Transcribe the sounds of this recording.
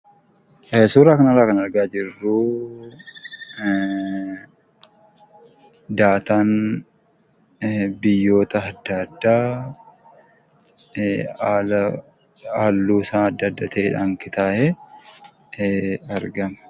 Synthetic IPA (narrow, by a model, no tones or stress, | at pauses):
ʔsuːɾaːkɐnɐrːaːkɐnɐɾɡaːd͡ʒɪrːuː | d̪aːt̪aːn | bɪjːo̞ːt̪ɐɐd̪ːɐd̪ːaː | aːlːuːsaːɐd̪ːɐd̪ːɐt̪ʰɛɪᶑaːŋkɪt̪aːʔɛ | ɐɾɡɐmɐ̥